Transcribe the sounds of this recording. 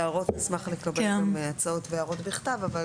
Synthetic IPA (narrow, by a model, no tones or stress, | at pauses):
aʁo̞tnismaχle̞kabeamat͡saotveaʁo̞tbiχtavaval